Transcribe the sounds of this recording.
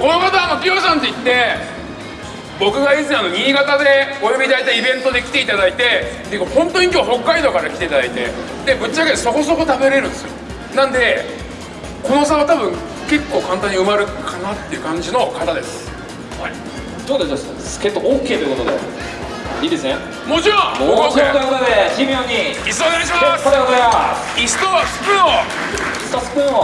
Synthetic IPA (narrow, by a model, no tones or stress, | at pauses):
ko̞no̞kat̪anokʲioːsãnt̪o̞it̪ːe̞ | bo̞kɯ̟ɡaizɨano̞ɲ̟ʲiːɡat̪ad̪e̞ojobʲid̪ait̪aiibẽ̞nt̪o̞d̪e̞kʲi̥t̪e̞it̪ad̪ait̪e̞t̪ːejɯ̟kahõ̞nt̪o̞ɲikʲo̞ːɦo̞kːaid̪o̞ːkaɾakʲi̥e̞it̪ad̪ait̪e̞̰ | d̪e̞bɯ̟t͡ɕːaket̪ːeso̞ko̞so̞ko̞t̪abe̞ɾe̞ɾɯ̟̃nd̪esɨjo | nãnd̪e̞ | ko̞nosaβat̪abɯ̟̃ŋ | ke̞kːo̞ːkãnt̪ãɲ̟ːiɯ̟maɾɯ̟kʰanat̪ːe̞iɯ̟kãɲ̟d͡ʑino̞kat̪ad̪e̞sɨ̥ | hai | t̪oːd̪eoso̥ | kekːooːkːeːt̪ojɯ̟kot̪od̪ḛ | id̪esẽ | moːd͡ʑaot̪okot̪od̪eçʲimioɲiisoaɾeɕ̬imaasooja | ist̪osɨ̥pɯo | st̪ospɯo